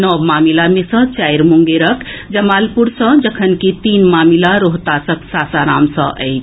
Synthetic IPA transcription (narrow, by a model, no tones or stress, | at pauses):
nɔʋmamilamesə̃t͡ʃajɾmuŋɡeɾəkd͡ʒəmalpuɾsə̃d͡ʒəkʰənket̪inmamilaɾoɦt̪asəksasaɾamsʌ̰̃ʔə̰jt͡ʃʰ